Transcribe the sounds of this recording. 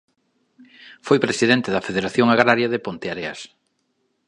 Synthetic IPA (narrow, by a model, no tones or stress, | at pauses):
fojpɾesiðent̪ɪðɐfeðeɾaθjoŋaɣɾaɾjaðepont̪eaɾea̰s